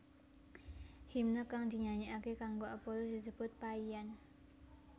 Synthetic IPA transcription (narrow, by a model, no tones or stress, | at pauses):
himnəkaŋd̪̥i̤ɲaɲiʔakekaŋɡoapolusd̪̥isəb̥ʊt̪̚paian